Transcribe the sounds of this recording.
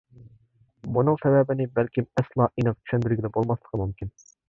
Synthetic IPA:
bunɨŋsɛwɛbɪnɪbælkʲimɛslˠɑʔinɨqt̪ʰy̥ʃɛnd̪yɾɡʲɪd̪ɛbolˠmɑslˠə̥qʰəmumkʲʰin

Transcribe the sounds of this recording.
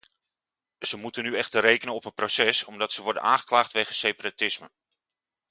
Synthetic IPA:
z̥əmutənyɛχtərejkənənɔpənprowsɛsɔmdɑtsəʋɔɹdə̰na̰ːnχəklaːχtʋejχəsejparatɪsmə

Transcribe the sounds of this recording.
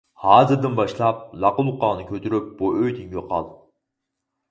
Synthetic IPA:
hɑːzɨɾd̪ɨnbɑʃlˠɑp̚lˠɑqʊlˠuqɑːnɨkʲʰøt̪ʰyɾyp̚b̥uøjd̪iŋjoqʰɑ̰lˠ

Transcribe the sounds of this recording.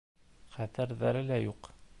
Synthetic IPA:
χæθæɾðæɾɘlæjuq

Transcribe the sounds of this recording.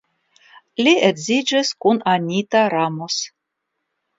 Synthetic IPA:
liedzid͡ʒiskunanʲit̪aɾamos

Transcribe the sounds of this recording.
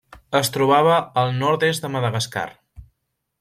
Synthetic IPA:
əst̪ɾuβaβ̞əːlˠnɔɾt̪ezd̪əməðəɣəska̰r

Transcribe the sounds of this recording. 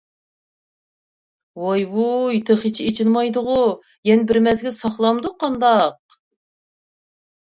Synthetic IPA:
wɑjbujit̪ʰɨχit͡ʃʰiet͡ʃʰinmɑjd̪ʊʁʊ | jɛnɪbɪɾmɛzɡʲɛsɑχlˠɑmd̪uqʰɑnd̪ɑq̚

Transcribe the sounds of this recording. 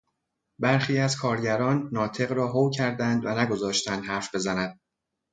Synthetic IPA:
bæɾxiːæzkʰɒːɾɟæɾɒːnːɒːt̪ʰe̞ɣɾɒːɦowcʰæɾd̪ænd̪vænæɡo̞zɒːʃt̪ænd̪hæɾfbe̞zænænd̪̥̚

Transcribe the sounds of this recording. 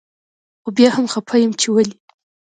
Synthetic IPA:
xobjahamxapʰajəmt͡ʃewali

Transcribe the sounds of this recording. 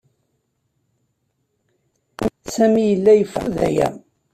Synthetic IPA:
sæmijəlːæjəfəðæ̰jæ̰

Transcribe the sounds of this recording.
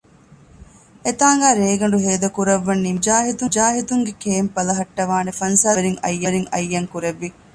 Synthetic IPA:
et̪aːŋɡaːɾeːɡɐɳɖuɦeːd̪ɐkuɾɐʋːɐnːimd͡ʒaːɦit̪ud͡ʒaːɦit̪uŋɡekeːmpɐlɐɦɐʈːɐʋaːnefɐnsaːɾiŋɐ̰jːɐɾiŋɐ̰jːɐŋkuɾeʋːi

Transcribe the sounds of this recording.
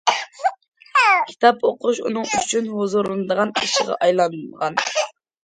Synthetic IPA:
kʲʰi̥t̪ʰɑpʰoqʰuʃunɨŋyt͡ʃʰynhozoɾɨnɨd̪əʁɑniʃiʁɑ̰ʔɑjlˠɑnɨʁɑn

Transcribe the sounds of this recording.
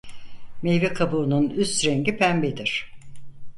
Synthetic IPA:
mejvikʰabuːnunyst̪ɾeŋɟipʰæmbid̪iɾ̥

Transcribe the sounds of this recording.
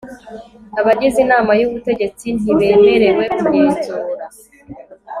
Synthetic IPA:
aβaɟizinaːmajuβute̞ɟe̞t͡sin̥iβe̞ːme̞ɾe̞we̞kuɾeːnzuːɾa

